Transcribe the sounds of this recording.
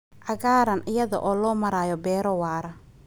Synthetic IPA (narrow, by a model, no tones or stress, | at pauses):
ʔɐɣaːɾɐnʔɪjɐðɐ̰ʔɔːlɔːmɐɾaːjɔbɛːɾɔwaːɾɐ